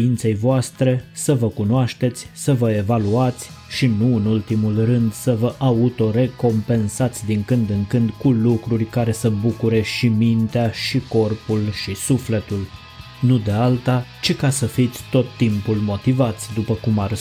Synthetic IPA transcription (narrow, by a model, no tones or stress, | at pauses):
int̪se̞jvoast̪ɾe̞səvəkunoaʃt̪e̞t̪sʲsəvəe̞valuat̪sʲ | ʃinuɨnult̪imulrɨnd̪səvəʔaut̪o̞ɾe̞ko̞mpe̞nsat̪sʲd̪iŋkɨnd̪ɨŋkɨnd̪kulukɾurʲkaɾe̞səbukuɾe̞ʃimint̪eaʃiko̞rpulʃisufle̞t̪ul | nud̪e̞alt̪at͡ʃikasəfit̪sʲt̪o̞t̪ːimpulmo̞t̪ivat̪sʲd̪upəkumar